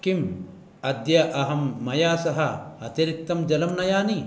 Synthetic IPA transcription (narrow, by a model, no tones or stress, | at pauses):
kim | ɐd̪jɐʔɐɦɐmːɐjaːsɐɦɐɐt̪iɾik̚t̪ɐmd͡ʒɐlɐmnɐjaːni